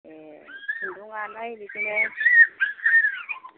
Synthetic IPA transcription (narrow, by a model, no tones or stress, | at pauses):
ɛinduŋanainikʼinɛ